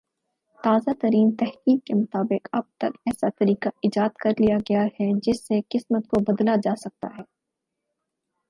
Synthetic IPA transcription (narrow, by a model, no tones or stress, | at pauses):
t̪aːzat̪ɐɾiːnt̪ɛɦkiːmkemʊt̪aːbɪqɐb̚t̪ɐkɛːsat̪ɐɾiːkaɪd͡ʒaːd̪kɐɾlijaɡɐjahɛd͡ʒɪsːeqɪsmət̪kobɐd̪lad͡ʒaːsɐk̚t̪a̰ɦɛː